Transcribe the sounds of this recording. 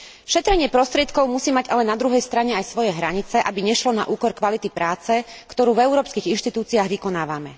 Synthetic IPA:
ʃɛt̪ɾɛɲɪɛpɾɔst̪ɾɪɛt̪kɔʊmusiːmaɟalɛnad̪ɾuɦɛjst̪ɾaɲɛajsʋɔjɛɦɾaɲit͡sɛʔabiɲɛʃlɔna̰ʔuːkɔɾkʋalit̪ipɾaːt͡sɛkt̪ɔɾuːvɛʊɾɔːpskiɣinʃt̪it̪uːt͡siaːɣʋikɔnaːʋamɛ

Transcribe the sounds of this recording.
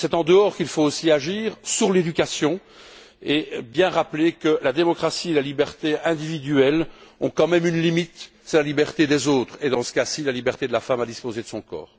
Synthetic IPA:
sɛt̪ɑ̃d̪əɔːʁkilfoosiaʒiːʁsyʁled̪ykʲasjɔ̃ | ebjɛ̃ʁaplekəlad̪emɔkχasielalibɛʁt̪eɛ̃d̪ivid̪yɛlɔ̰̃kɑ̃mɛmynlimit̪ | sɛlalibɛʁt̪ed̪ɛzoːt̪χed̪ɑ̃sə̥kasilalibɛʁt̪ed̪əlafamad̪ispozed̪əsɔ̃kɔ̰ːʁ

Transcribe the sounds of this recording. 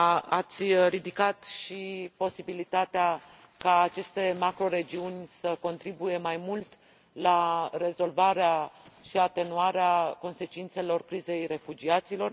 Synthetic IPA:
at̪sʲrid̪ikat̪ʃipo̞sibilit̪at̪ea | kaːt͡ʃe̞st̪e̞makɾo̞ɾe̞d͡ʒiunʲsəko̞nt̪ɾibuje̞majmult̪ | laɾe̞zo̞lvaɾeaʃiat̪e̞nuaɾeako̞nse̞t͡ʃint̪se̞lo̞rkɾize̞jre̞fud͡ʒiat̪silo̞r

